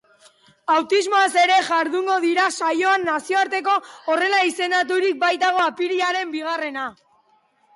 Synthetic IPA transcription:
awt̪izmo̞ase̞ɾe̞ʝaɾðuŋɡo̞ðiɾasajo̞anːasio̞aɾt̪e̞k̬o̞ːre̞laise̞nd̪at̪̬uɾik̚bajt̪aɣ̞o̞apiɾiaɾe̞mbiɣ̞are̞na

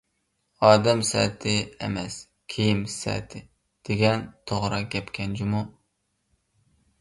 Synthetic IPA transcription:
ɑːd̪ɛmsɛ̰t̪ʰɪḛmɛs | kʲʰejimsɛ̰t̪ʰɪ | d̪̥eɡʲɛnt̪ʰoʁɾɑɡʲɛpkʲʰɛnd͡ʒʰimu

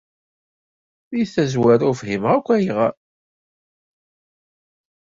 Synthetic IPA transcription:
jθæzwæɾʊfɦimʁækʷːæjʁa

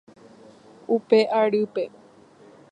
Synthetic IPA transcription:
upeʔaɾɨpe̞

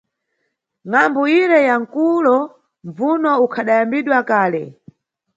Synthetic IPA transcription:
ŋambuiɾɛjaŋ̩kulɔ | ɱvunɔukʰaɗajambiɗwakaːlɛ̰

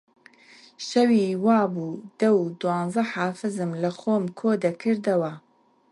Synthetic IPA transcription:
ʃɐwiːwɑːbuːd̪̥ɐwd̪uwɑːnzɐħaːfɨzɨmlɐxoːmkʰoːd̪ɐkʰɨɾd̪ɐwɐ

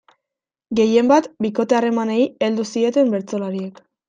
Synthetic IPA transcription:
ɡe̞je̞mbat̪biko̞t̪e̞are̞mane̞ie̞ld̪usie̞t̪e̞mbe̞ɾt͡so̞laɾie̞k

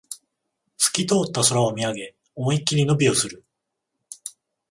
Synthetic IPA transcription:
sɨ̥kʲit̪o̞ːt̪ːaso̞ɾaamʲiaɡe̞ | õikʲːiɲʲino̞bʲio̞sɨɾɯ̟

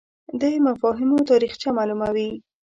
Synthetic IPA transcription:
d̪əjmafɑɦɪmot̪ɑɾixt͡ʃamalumawi

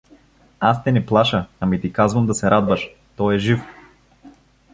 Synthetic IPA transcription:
ast̪ɛniplˠaʃɐamit̪ikazvɐmd̪asɛɾad̪vɐʃ | t̪ɔjɛʒif

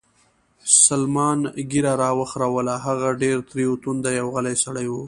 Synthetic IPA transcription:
salmɑnɡiɾaɾɑwəxɾawəlaɦaɣaɖeɾt̪ɾiut̪und̪ajawɣalajsaɽajwu

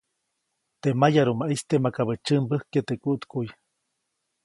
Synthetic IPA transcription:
t̪emajaɾumaʔist̪emakaβət͡ʃɨmbɨhket̪ekuʔt̪kuj

